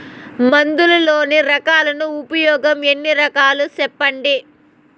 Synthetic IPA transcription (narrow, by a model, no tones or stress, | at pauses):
mɐnd̪ulɐloːniɾɐkaːlɐnuːpɐjɔːɡɐmenːiɾɐkaːlut͡ʃɛpːɐɳɖi